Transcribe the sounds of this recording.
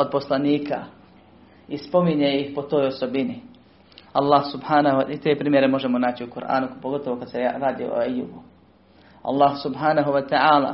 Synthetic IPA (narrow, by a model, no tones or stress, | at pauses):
o̞d̪̚po̞slaniːka | ispo̞miɲeːjixpo̞t̪o̞ːjoso̞bini | alˠːaːhsubhaːnahit̪e̞ːpɾiːmje̞ɾemo̞ʒemo̞naːt͡ɕiukuɾʔa̰ːnupoɡo̞t̪oʋokad̪̥seaɾaːd̪ḭo̰ajubu | a̰lˠːaːhsubɦaːnaɦuʋat̪aaːla̰ː